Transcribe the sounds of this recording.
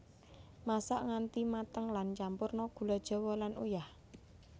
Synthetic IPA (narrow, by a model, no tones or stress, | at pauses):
masaʔŋant̪imat̪əŋlant͡ʃampʊrnɔɡ̥ṳlɔd̥ʒ̥ɔ̤wɔlanujah